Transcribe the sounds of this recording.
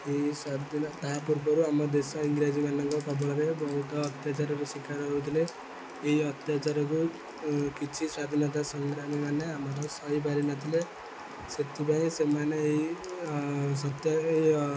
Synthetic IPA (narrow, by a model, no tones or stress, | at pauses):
eisad̪ʱint̪apuɾbʌɾuamʌd̪esʌiŋɡɾad͡zimanʌŋkɔkɔbʌɽɾebʌɦut̪ɔːt̪jat͡ʃaɾɔkosikaɾɦʌɾut̪ʰileː | iʌt̪jat͡ʃaɾɔko | kit͡ʃʰisad̪ʱinʌt̪̬asʌŋɡɾamimaneamʌɾʌsʌɦibaɾinat̪ile | set̪ːipaĩsemaneei | sʌt̪ja